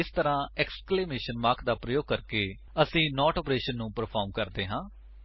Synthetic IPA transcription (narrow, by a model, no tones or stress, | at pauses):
ɪst̪əɾãːɛːkskleːmeːʃənmaːɾkʰd̪aːpɾəjoːɡ̚kəɾkeː | əsĩːnɔːʈɔːpɾeːʃənːũːpəɾpʰɔːɾmkəɾd̪eːɦãː